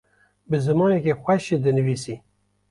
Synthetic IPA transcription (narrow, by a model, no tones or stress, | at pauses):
bɨzɨmɑːnekʲexʷɛʃɨd̪ɨnɨviːsi